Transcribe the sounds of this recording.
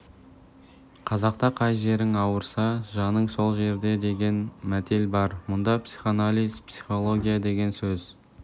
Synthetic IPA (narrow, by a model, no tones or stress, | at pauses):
qʰɑzɑq̚t̪ɑqʰɑjʒe̞ɾɪŋɑwəɾsɑʒɑnəɴso̞lˠʒe̞ɾd̪e̞d̪e̞ɡʲe̞nmæt̪e̞lbɑɾmʊnd̪ɑpsi̥χanalʲijzpsi̥χo̞lˠo̞ɡʲijad̪e̞ɡʲe̞nsɵz